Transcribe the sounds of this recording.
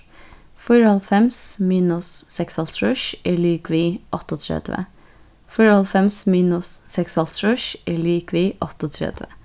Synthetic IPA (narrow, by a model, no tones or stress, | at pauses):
fʊɹɑlfɛmsmiːnʊsːɛksɑlt̪ʰɹʉʃeːɭiːkʋiːʔɔt̪ɔt̪ʰɾɛ̰d̪̥ʋə̰ | fʊɹɔlfɛmsmiːnʊsːɛksɑlt̪ʰɹʉʃeːɭiːkʋiːʔɔt̪ɔt̪ʰɾɛ̰d̪̥ʋə̰